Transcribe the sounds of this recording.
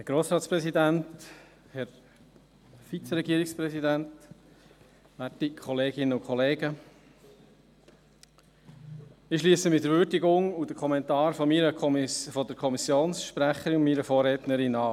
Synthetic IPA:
hɛɾɡ̥ɾoːsɾɑːtt͡sspɾɛsidænt | hɛɾ | fit͡səɾɛɡiəɾikspɾɛsidænt | ʋætikʰɔleːɡɪnəʊkʰχɔleːɡə | ɪʃliːsəmɪdəɾvʏːɾdiɡʊŋud̥əkʰɔmɛntɑːɾfɔmiɾəfɔd̪əkʰɔmisjoːnsʃpɾæχəɾiʊnmiːɾəfoːɾɛːt̪nəɾɪnɑː

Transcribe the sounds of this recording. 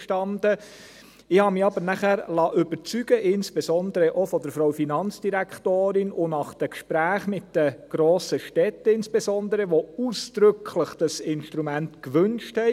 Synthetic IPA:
ʃtɑndə | ɪhɑːmiɑbəɾnæχæɾlɑːʔʏbəɾt͡syɡ̥əʔɪnsb̥esɔndəɾəʔofɔd̥əɾfɾawfinɑnt͡sd̥iɾækχtoːɾɪnʊnɑχd̥əkʃpɾæːχmɪtd̥əɡ̥ɾoːsəʃtɛtːəɪnsb̥esɔnd̪əɾəʋousd̪̥ɾʏkʰləχd̥ɑsɪnʃtɾumæntkʋɵnʃthɛ

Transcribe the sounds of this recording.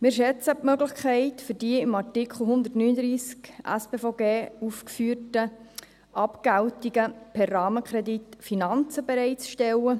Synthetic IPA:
mɪːɾʃɛt͡səpmœɡlɪχkʰɛɪtfyɾdiəɪmɑɾtikχl̩ˠɦʊnd̪ətnyːnəd̪ɾiːskʔæ̰speːfoɡeːufkfyːrtə | ʔɑpɡ̥æwtiɡəpʰɛrːɑːməkɾɛditfinɑnt͡səbɛɾɛɪt͡sʃtɛlə

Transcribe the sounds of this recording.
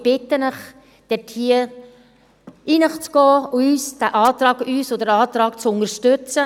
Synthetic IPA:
b̥ɪtənəχ | d̥ɛtʰhiːə | ʔiːnəχt͡sɡ̥ɔːyːsd̥æʔɑːt̪ɾɑːɡyːsodəɾɑːt̪ɾɑːkt͡sʊnəɾʃtøt͡sə

